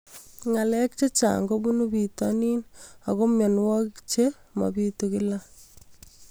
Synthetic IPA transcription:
ŋa˨lɛ˦k̚t͡ʃe˦t͡ʃa̰˨ŋɡo˦bu˦nu˦bi˨tani˦na˨ko˦mjɔ˨nwɔ˦kt͡ʃema̰˨pitokɪ˦la˦

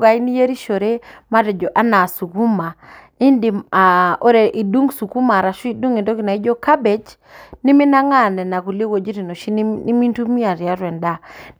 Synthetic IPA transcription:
ɡa˨i˦ni˦je˦ɾi˦ʃo˨ɾe˦ma˦dɛ˨d͡ʒɔ˨ʔa˦na˨su˨ku˦ma˨ | i˦ndi˨ma˨o˦ɾe˨ʔi˨du˦ŋsu˨ku˦ma˨ɾa˨ʃu˦i˨du˦ŋe˨ndo˦ki˨na˨i˦d͡ʒo˦ka˦be˨t͡ʃ | nɪ˦mɪ˦na˦ŋa˦˨nɛ˨na˨ku˨le˦wo˨d͡ʒi˦ɾi˨no˨ʃi˦n˦i˦mi˦ntu˦mi˦a˨ɾja˦ɾwɛ˨nda˦

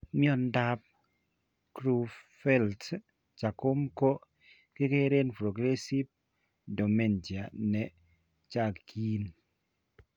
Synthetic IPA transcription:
mi˦ɔ˨nda˦p̚ | kɾu˦fɛ˦lt | t͡ʃa˨ko˦mko˦ | kɪ˦ke˦ɾe˦npɾo˨ɡɾe˦si˦b̚ | do˨me˦˨nd͡ʒi˨a˨nɛ˨ | t͡ʃa˦˨kkʰi˦n

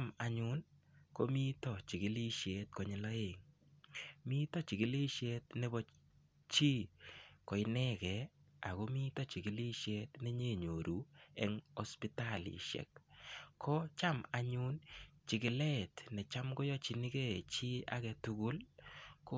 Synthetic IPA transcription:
ma˨ɲʊ˦nko˦mi˦tɔ˨t͡ʃi˨ɡɪ˦li˦ʃe˨t̚kɔ˨ɲɪ˨lɔ˦e˨ŋ | mi˦tɔ˦t͡ʃi˨ɡɪ˨li˦ʃe˦t̚nɛ˦bɔ˦ | t͡ʃi˦ko˨ɪ˦nɛ˦kɛ˨a̰˨ɡo˦mi˦tɔ˦t͡ʃi˨ɡi˨˦li˦ʃe˦tnɛ˦ɲe˦˨ɲo˨ɾu˨˦ɛ˦ŋɔ˦spi˦ta˦˨lḭ˨ʃɛ̰˨kkʰːɔ˦t͡ʃa˦ma˨ɲʊ˦nt͡ʃɪ˨kɪ˨le˦˨tnɛ˨t͡ʃa˦mɡo˦jɔ˦t͡ʃi˨nɪ˦ke˦˨t͡ʃi˦a̰˦ɡɛ˨˧tu˨˦ɡu˦lko˦

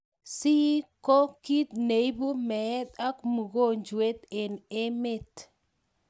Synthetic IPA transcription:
si˦ko˦ki˦t̪̚ne˨jbu˦me˨˦t̪a˦kmu˨ɡo˦˨nd͡ʒu˨e˦t̪e˨ne˦me˦˨t

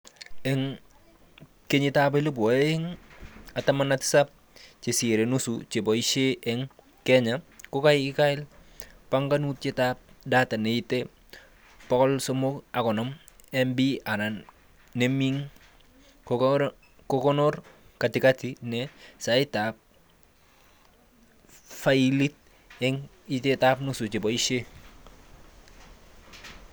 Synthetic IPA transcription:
ɛ˦ŋ | ke˦ɲɪ˦ta˦b̬a˦lo˦b̬ɔ˨e˦ɪ˦ŋa˨tama˦nati̥˦sa˦p̚ | t͡ʃe˨si˨ɾe˨nu˦sut͡ʃe˨bɔ˨iʃe˦ʔɛŋ | kɛ˦ɲa˨ko˦ka˦ɪkɪ˦ka˦ɪ˦l | pa˦ŋɡa˦nu˦t̚t͡ʃe˦ta˦p̚da˦ta˨ne˨i˦te˦ | pɔ˦kɔ˦lso˦mʊ˦ka˨kɔ˨nɔ˦m | ɛ˦mbi˦a˨na˨n | nɛ˦mi˦ŋ | kɔ˦kɔ˦nɔ˦rka˨tɪ˨ka˦ti˦nɛsa˨ɪ˦ta˨p̚ | fa˦ili˦t̚ | ɛ˦ŋ | i˦te˦ta˦pnu˦su˨t͡ʃi˨bɔ˨i˦ʃe˦

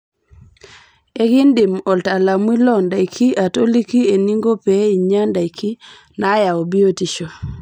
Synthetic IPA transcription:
e˦ɡɪ˦ndɪ˨mɔ˨lta˨la˨mwi˦lɔ˦nda˨jkʰi˦ʔa˨to˦li˦ki˦e˨ni˦ŋɡo˦pɛ˨˦i˨ɲa˦nda˨i˨kʰi˦ | na˨˦ja˨o˨bi˦o˦ti˨ʃo˨

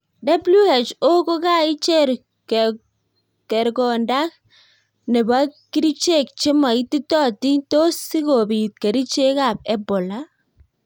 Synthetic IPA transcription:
da˦blu˦e˨t͡ʃo˦ko˦ka˦i˦t͡ʃɛ˦ɾ | k | kɛ˨ɾkɔ˨nda˦k̚ | nɛ˨ba˦kːi˦ɾi˦t͡ʃe˦˨k̚t͡ʃi˦ma˨i˦ti˦tɔ˦ti˦to˦si˦ko˨bi˨t̚ke˨ɾi˦t͡ʃe˦ka˨p̚ɛ˦bɔ˨la˦

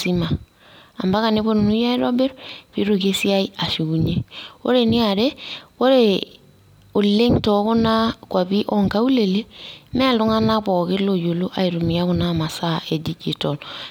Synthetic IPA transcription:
si˦ma˨ | a˨mba˦ka˨nɪ˦bo˦n˨nu˦ja˦i˦ɾo˦be˦ɾpi˦ɾo˨ke˦si˦a˦i˦a˨ʃi˨ɡu˨ɲe˦wo̰˦ɾe˨ni˦a˨ɾe˦wo˦ɾe | o˨lːe˦ŋtɔ˨˦ko˦na˦kwa˨bi˦ʔɔ˦ŋka˦u˦le˨le˦mɛ˦a˨lʊ˦ŋa˦na˦bɔ˨kɪ˦lo˨jo˨lo˦ʔa˨i˨ɾu˨mi˨a˦kʊ˨na˦ma˨sa˦ʔe˨di˦ki˨tɔ˨l

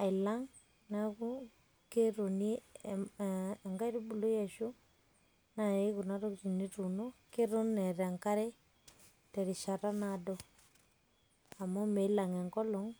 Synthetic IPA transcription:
a˨i˨la˦ŋ | na˦ku˦ | ke˦ɾo˨ni˦˨ | ŋɡa˦i˦ɾu˦bu˨lo˦jɛ˨ʃo˦ | na˨e˦ku˨na˦ɾɔ˦kti˨ni˦ɾu˨no˦ke˦ɾo˦nnɛ˨ɾɛ˨ŋka˦ɾɛ˦ | tɛ˨ɾi˨ʃa˨ɾa˦na˨dɔ˦ | a˨mɔ˦mɛ˨i˦la˨ŋɛ˨ŋkɔ˦lɔ˨ŋ

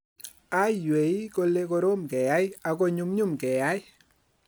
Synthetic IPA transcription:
a˦jwe˨i˦ko˦le˦ko˦ɾo˦mkɛ˨ja˦ja˨ko˦ɲu˦mɲu˦mkɛ˨ja˦jɪ˦

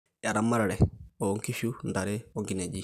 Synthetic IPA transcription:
ja˨ɾa˨mːa˦ɾaɽɛ˨o˨˦ŋki˦ʃu˦nd̪a˨ɾɛ˦o˦ŋɡi˦ne˨d͡ʒi˨

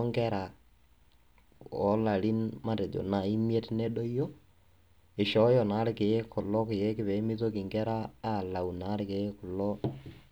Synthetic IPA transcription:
ŋɡɛ˦ɾa˨ | ɔ˨˦la˨ɾi˦nma˦˨te˨djo̰˨na˨i˦mje˦tnɛ˦ɗo˦jɔ˦ | ɪ˨ʃɔ˨˦jɔ˨na˨˦ɾɪ˦kɪ˨e˦kʊ˨lɔ˦kɪ˨je˦kɪ˨pɛ˨˦mɪ˦to˦kɪ˨ŋɡɛ˦ɾaː˦˨la˨wu˨na˨˦ɾɪ˨ke˨˦kʊ˨lɔ˦

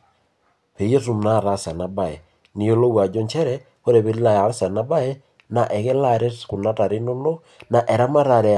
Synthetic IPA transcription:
pe˨jo˦su˨m˨na˦˨ɾa˦˨sa˨na˨ba˨ɛ˨ | ni˨o˦lo˦wa˨d͡ʒo˦ɲt͡ʃɛ˦ɾɛ˦ | o˦ɾe˨βe˦ɾi˦la˦˨ja˨ɾsa˨na˦ba˦ɛ˦ | na˨ʔɛ˨ɣe˦la˦ɾe˦ku˨na˦ta˨ɾe˦no˦no˦ | na˨ʔɛ˨ɾa˦ma˦ɾa˨ɾɛ˨

